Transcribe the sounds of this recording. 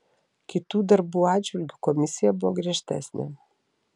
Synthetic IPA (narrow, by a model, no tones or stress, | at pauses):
kit̪ud̪aɾbuad͡ʒulʲɡkomisijaboɡɾʲɛʃt̪ɛ̰snʲɛ̰